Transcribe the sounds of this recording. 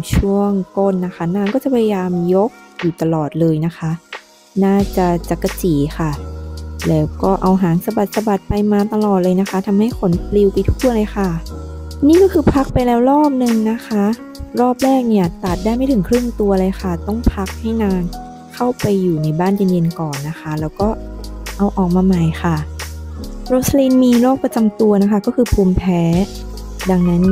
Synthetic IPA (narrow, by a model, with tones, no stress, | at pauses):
t͡ɕʰu˥˩əŋkoː˧˥˩nːa˦˥xʰa˦˥˩naː˧ŋkɔː˥˩t͡ɕa˨˩pʰa˧ja˧jaː˧mjo˦˥k̚juː˨˩t̪a˧lɔː˨˩t̪̚lɤː˧jna˦˥xʰa˦˥ | naː˥˩t͡ɕa˨˩t͡ɕa˨˩kːa˧t͡ɕiː˩˦xʰa˥˩lɛː˦˥wkɔː˥˩ʔa˧wɦaː˩˦ŋsa˧ba˨˩t̪̚sa˧ba˨˩t̪̚pa˧jmaː˧t̪a˧lɔː˨˩t̪̚lɤː˧jna˦˥xʰa˦˥t̪ʰa˧mha˥˩jkʰo˩˦npli˧wpa˧jt̪ʰuː˥˩lɤː˧jxa˧˥˩niː˥˩kɔː˥˩kʰɯː˧pʰa˦˥k̚pa˧jlɛː˦˥wɾɔː˥˩p̚nɯ˧ŋna˦˥kʰa˦˥ | ɾɔː˥˩p̚lɛː˥˩k̚ni˥˩ɐt̪a˨˩t̪̚daː˥˩jma˥˩t̪ʰɯ˩˦ŋkʰɾɯ˥˩ŋt̪u˧ɐlɤː˧jxʰa˥˩t̪ɔ˥˩ŋpʰa˦˥k̚ha˥˩jnaː˧n | kʰa˥˩wpa˧jːuː˨˩na˧˥jbaː˥˩˨nje˧nje˧nkɔː˨˩nːa˦˥xʰa˦˥lɛː˦˥wkɔː˥˩ʔa˧wʔɔː˨˩k̚maː˧ma˨˩jxʰa˥˩ | ɾo˦˥t̪̚sliː˧nmiː˧loː˥˩k̚pa˧t͡ɕa˧mt̪u˧ɐna˦˥kʰa˦˥kɔː˥˩kʰɯː˧pʰuː˧mpʰɛː˦˥ | da˧ŋna˦˥n